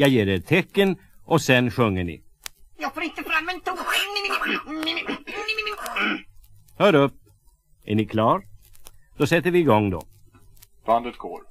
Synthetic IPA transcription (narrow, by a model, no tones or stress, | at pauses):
jɑːjeːɖɛt̪ʰɛkːənʔɔsɛnɧɵŋːəɳɪ̰ | jɑːɡfoːɾɪnt̪əfɾamːɛnt̪ɔn | n | hœːɾɵpː | æ̰ɳɪkʰlɑːɾd̪ɔsɛt̪ːəɾvɪːɡɔŋːd̪ɔ̰ | b̪̥and̪ət̪ɡ̥o̰ːɾ